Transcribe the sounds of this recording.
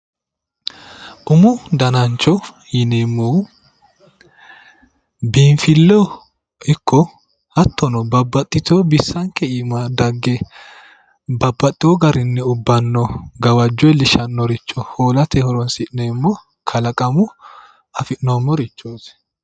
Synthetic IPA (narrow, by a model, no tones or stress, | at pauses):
ʔʊmʊd̪ɐnɐnt͡ʃːɔ | jɪnemːo | biːɱfɪlːɔ | ɪkːɔ | hɐt̪ːɔnɔbɐbːɐt̪ʼːɪt̪oːbɪsːɐŋkɛiːmad̪ɐɡːɛ | bɐbːɐt̪ʼːɪoɡɐɾɪnːɛʊbːɐnːɔɡɐwɐd͡ʒːɔjɛlɪʃɐnːɔɾɪt͡ʃːɔhoːlɐt̪ɛhɔɾɔnsɪʔnemːɔ | kʰɐlɐkʼɐmʊ | ɐfɪʔnomːɔɾɪt͡ʃːoːs